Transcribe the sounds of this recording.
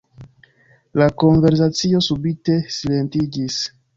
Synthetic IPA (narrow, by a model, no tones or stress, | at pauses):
lako̞nve̞ɾs̬at͡sio̞subite̞sile̞ntid͡ʒis